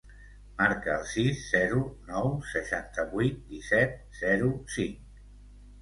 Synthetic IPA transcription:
maɾkəːlˠsisːɛɾunɔwsəʃant̪əβuit̪̚d̪isɛt̪̚z̥ɛɾusiŋk

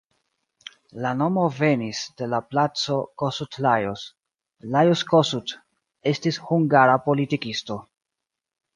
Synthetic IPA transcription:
lano̞mo̞ve̞nisde̞laplat͡so̞kosutlajos | lajoskosut | e̞stishuŋɡaɾapo̞litikisto̞

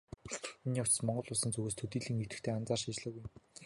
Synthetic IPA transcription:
t̪̆ʰːniʊw̥ʰt͡ɕsmɔɴɢɞ̆ɮʊɮsə̆nt͡sɵɣeːst̪ʰɵt̪iːɮiːŋut̪ɘ̆kt̪ʰeːant͡saːrʃit͡ɕɮə̆ɣujm

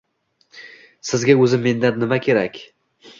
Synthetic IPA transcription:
sɪzɡʲaɵzɪmːe̞nd̪anːɪmakʲʰe̞ɾakʲ

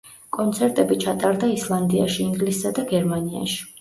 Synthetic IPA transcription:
kʼɔnt̪sʰɛɾt̪ʼɛbit͡ʃʰat̪ʼaɾd̪aislˠand̪ia̰ʃiːŋɡlisːad̪aɡɛɾmania̰ʃi̥

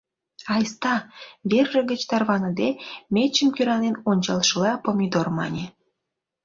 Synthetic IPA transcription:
ɑjst̪ɑβerːə̆ɡə̆t͡ɕt̪ɑrβɑnə̆d̪emʲet͡ɕəmkyɾɑnenonʲt͡ɕɑlʃəlɑpomʲid̪ormɑ̰nʲe

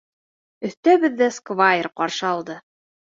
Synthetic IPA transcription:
ɵ̆θt̪æβɘðːæskvaɪrqɑɾʃɤɑlˠd̪ɤ

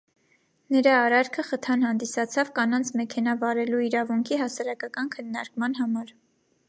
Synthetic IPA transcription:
nəɾɑːɾɑɾkʰəχət̪ʰɑnhɑnd̪isɑt͡sʰɑvkɑnɑnt͡sʰmɛkʰɛnɑvɑɾɛluiɾɑvuŋkʰiɦɑsɑɾɑkɑkɑnkʰənːɑɾkmɑnɦɑmɑɾ

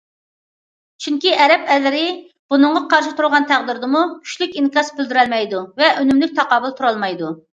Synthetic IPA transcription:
t͡ʃʰyŋkʲiʔɛɾɛpɛlːɪɾɪ | b̥unɨɴʁɑqʰɑɾʃɪt̪ʰuɾʁɑnt̪ʰæʁd̪ɪɾd̪ɨmukʲʰy̥ʃlykʲiŋkʲɑsbyld̪yɾɛlmɛjd̪uvɛʔønymlyk̚ʲt̪ʰɑqɑːbɨlˠt̪ʰuɾɑlˠmɑjd̪u

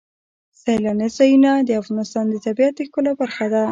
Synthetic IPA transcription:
sajlɑnezɑjunad̪əafɣɑnɪst̪ɑnd̪ət̪abiat̪̚d̪əkəlabaɾxad̪a

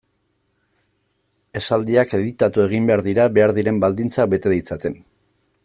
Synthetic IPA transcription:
e̞sald̪iake̞ðit̪at̪ue̞ɣ̞imbe̞aɾðiɾaβe̞aɾðiɾe̞mbald̪int͡sak̚be̞t̪e̞ðit͡sat̪e̞n

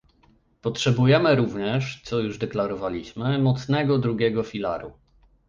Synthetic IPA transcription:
pɔtʂɛbujɛmɘɾuvɲɛʂt̪sɔjuʐd̪ɛklaɾɔvalʲiɕmɘmɔt̪snɛɡɔd̪ɾuɡʲɛɡɔfʲila̰ɾṵ

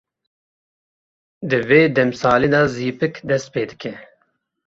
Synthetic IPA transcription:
d̪ɨveːd̪ɐmsɑːled̪ɑziːpɨkd̪ɐst̪̚peːd̪ɨkʰe

